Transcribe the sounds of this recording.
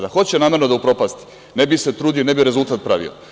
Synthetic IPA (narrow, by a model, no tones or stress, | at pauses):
d̪axot͡ɕenaːme̞ɾnod̪aupɾo̞past̪i̥ | nebise̞t̪ɾuːd̪ionebiɾe̞zulˠt̪aːt̪̚pɾaʋḭo̰